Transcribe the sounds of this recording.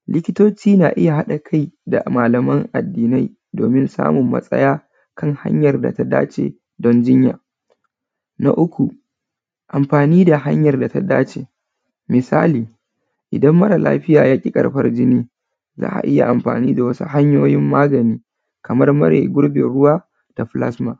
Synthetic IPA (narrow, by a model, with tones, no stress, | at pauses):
lɪ˦kʲɪ˦toː˦t͡ʃiː˦naː˨ʔɪ˦ja˨ɦa˦ɗa˨kʰa˦jda̰˨maː˨lɐ˨mɐ˦ŋʔa̰˨dːiː˨na˦j | doː˨mɪ˦nsa̰ː˦mʊ˨mːɐ̰˦sʼɐ̰˦jaː˦ | kʰɐ˦˨ŋha̰˦ɲjɐ˨rda̰˨ta˦da̰ː˦t͡ʃḛː˨ | dɔ˦nd͡ʒɪ˦ɲja̰ː˨ | na̰˦ʔʊ˦kʷu˨ | ʔa˨mɸaː˨niː˦da˨ɦa̰˦ɲjɐ˨rda˨ta˦daː˦t͡ʃeː˨ | mɪ˨saː˦liː˨ | ʔɪ˨dɐ˦mːɐ˦ɽa˨lʔa̰ː˦ɸɪ˦jaː˨jaː˦kʲʼi˦kʼɐ̰˨ɽɸɐ˦rd͡ʒɪ˦niː˦ | za̰ː˦ʔa̰˨ʔɪ˦ja̰˨ʔa˨mɸa̰ː˨niː˦da˨wɐ˦sṵ˦ha˦ɲjoː˦jɪ˦mːaː˦ɡɐ˨niː˦ | kɐ˨mɐ˦rmɐ˦ɽḛː˨ɡʷʊ˦ɽbḛ˨ɽʊ˦waː˦ | d̥a˨ɸla̰˦sma˨